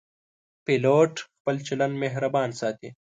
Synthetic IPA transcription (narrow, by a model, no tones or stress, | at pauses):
piloːʈxpəlt͡ʃɐlɐnmeɦɾɐbaːnsaːt̪ḛː